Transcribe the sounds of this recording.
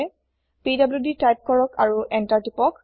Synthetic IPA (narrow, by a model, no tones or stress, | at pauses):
pidabljuditajp̚kɔɹɔkaɹuʔɛntaɹtipɔk